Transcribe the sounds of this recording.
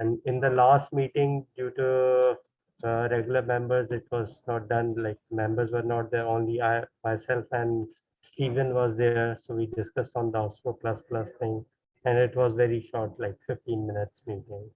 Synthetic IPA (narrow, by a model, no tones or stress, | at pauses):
ɛ̃ɳɪ̃nd̪əlaːsʈ̚miːʈɪ̃ŋɡɖjuːʈu | ɾɛɡjʊləɾmɛ̃mbəɾzɪʈʋɔːznɔːʈ̚ɖʌ̃nlaɪk̚mɛ̃mbəɾzʋəɾnɔːʈ̚d̪eɾõːnliaɪmaɪsɛlfɛ̃ɳɖ | sʈiːʋə̃nʋɔːzd̪eɾsoːʋiːɖɪskʌsʈɔ̃ːnd̪əɔːsfoplʌsplʌst̪ʰɪ̃ŋ | ɛ̃ɳɪʈʋɔːzʋɛɾiʃɔːɾʈlaɪkfɪfʈĩːnmɪ̃nɪʈsmiːʈɪ̃ŋ